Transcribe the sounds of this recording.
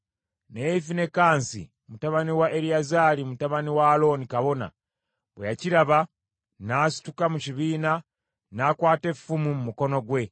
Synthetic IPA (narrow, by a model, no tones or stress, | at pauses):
neifine̞kaːnsḭ | mutaβaniwaʔeɾiazaːlimutaβaniwaːlo̞nikaβo̞na̰ | βwejaciɾaβa | naːsi̥tukamuciβiːna | naːkwaːte̞ffumumumuko̞no̞ɡwe̞